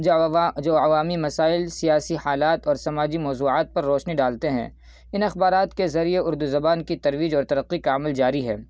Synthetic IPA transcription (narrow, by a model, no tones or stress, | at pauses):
d͡ʒoːɐʋaːmimɐsaːɪlsijaːsihaːlaːt̪ɔːɾsɐmaːd͡ʒimɔːzuːaːt̪̚pɐɾːɔːʃniɖaːlt̪eɦɛ̰̃ː | ɪnɐxbaːɾaːt̪kezɐɾieʊɾd̪uzɐbaːnkit̪ɐɾʋiːd͡ʒɔːɾt̪ɐɾɐqːikaːmɪld͡ʒaːɾiɦɛ̰ː